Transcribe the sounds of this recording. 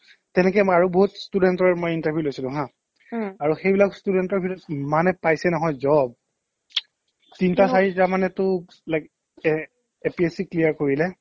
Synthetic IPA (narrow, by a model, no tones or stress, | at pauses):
tɛnɛkɛaɹuboɦutstudɛntɔɹɛmojintaɹbʱjulojsilʊ̃ɦã | aɹuxejbilakstudɛntɔɹbʱiuɔtmanɛpajsɛnɔɦɔjzɔb̚ | tintasaɹitamanɛtʊ | lajk | epiesiklijaɹkoɹilɛ